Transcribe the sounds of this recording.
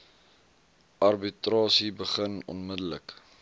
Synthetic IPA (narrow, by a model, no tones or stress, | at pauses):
ʔɐrbitrɑːsibəχənɔ̰nmədələk